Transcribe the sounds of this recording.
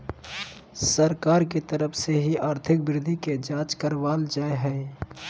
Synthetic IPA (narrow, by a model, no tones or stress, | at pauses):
səɾkaːɾket̪əɾəfʰseɦiaːɾt̪ʰɪk̚bɾɪd̪ʱiked͡ʒaːt͡ʃkəɾʋaːld͡ʒaːeɦɛː